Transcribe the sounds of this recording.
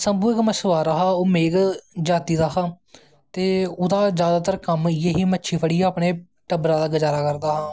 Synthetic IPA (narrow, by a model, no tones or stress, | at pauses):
səmbuːɪkməʃəʋaːɾaːɦaːoːmeːɡd͡ʒaːt̪iːd̪aːɦãː | t̪eːʊd̪aːzjaːd̪aːt̪əɾkəmjeːɦiːmətːʃʰiːpʰəɽiːaːpɳeː | ʈəbɾãːd̪aːɡəd͡ʒaːɾaːkəɾd̪aːɦãː